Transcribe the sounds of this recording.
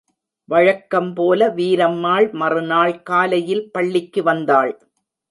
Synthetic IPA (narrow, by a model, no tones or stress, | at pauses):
ʋɐɻɐkːɐmpoːlɐʋiːɾɐmːaːɭmɐrɯnaːɭkaːlɐjɪlpɐɭːɪkːɯʋɐnd̪aːɭ